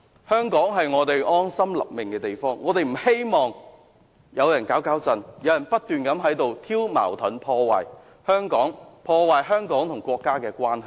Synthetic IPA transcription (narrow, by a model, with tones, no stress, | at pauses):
hœː˥ŋkɔː˨˥ŋɦɐ˨jŋɔː˨˧t̪e˨jʔɔː˥nsɐ˥mlɐ̰˨p̚mɪ˨ŋkɛː˧t̪e˨jfɔː˥ŋːɔː˨˧t̪e˨jm̩˨˩he˥jmɔː˨ŋ | jɐ˨˧wjɐ˨˩nkaː˨˥wkaː˨˥wt͡sɐ˨njɐ˨˧wjɐ˨˩npɐ˥t̚t̪yː˨nkɐ˨˥mɦɐ˨˥jt̪o˨wt̪ʰiː˥wma̰ː˨˩wt̪ʰɐ˨˥npʰɔː˧wa̰ː˨j | hœː˥ŋkɔː˨˥ŋpʰɔː˧waː˨jɦœː˥ŋkɔː˨˥ŋt̪ʰʊ˨˩ŋkʷɔː˧kːaː˥kɛː˧kʷwaː˥nhɦɐ˨j